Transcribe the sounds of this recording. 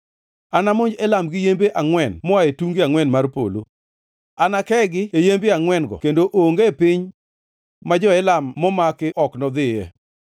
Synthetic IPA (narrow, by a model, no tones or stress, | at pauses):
anamʊɲd͡ʒɛlamɡɪjembeʔaŋwɛnmɔaetuŋɡiaŋwɛnmarpo̰lo | anakɛɡɪejembiaŋwɛnɡɔ̰kendoʔoŋɡepɪɲ | mad͡ʒɔɛlamːɔmakɪʔɔknɔd̪ɪjɛ